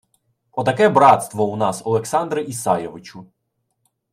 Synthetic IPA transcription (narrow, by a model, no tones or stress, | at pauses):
ɔt̪ɐkɛbɾɑt̪st̪ʋɔunɑsɔlˠeksɑnd̪ɾɪʔisɑjɔʋɪt͡ʃʊ